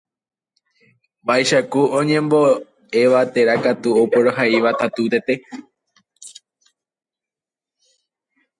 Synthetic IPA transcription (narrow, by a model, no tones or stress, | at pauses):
bajʃakuõɲẽ̞mbo̞ | e̞ʋat̪e̞ɾakat̪uopoɾoɦaiʋat̪at̪ut̪e̞t̪e̞